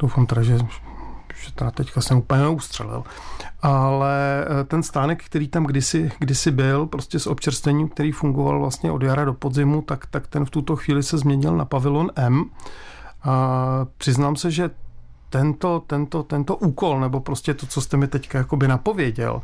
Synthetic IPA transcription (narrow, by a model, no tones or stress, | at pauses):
dowfamt̪ɛdaʒɛ | ʒ̥ɛt̪ɛɾat̪ɛckasɛupəɲɛnɛust̪r̥ɛ̰lɪ̰l | ʔalɛt̪ɛnst̪aːnɛkkt̪ɛɾiːt̪amɡdɪsɪɡdɪsɪbɪlpɾo̞scɛsʔo̞pt͡ʃɛɾst̪vɛɲiːmk̚t̪ɛɾiːfuŋɡova̰lvla̰st̪ɲɛʔo̞djaɾado̞po̞d̪zɪmut̪akt̪akt̪ɛnft̪ut̪o̞xviːlɪsɛzmɲɛɲɪlna̰pavɪlonʔɛm | apr̥ɪznaːmsɛʒɛ | t̪ɛnt̪o̞t̪ɛnt̪o̞t̪ɛnt̪o̞ʔuːko̞lnɛbo̞pɾo̞scɛt̪o̞t͡so̞st̪ɛmɪt̪ɛckajako̞bɪnapo̞vjɛɟɛ̰l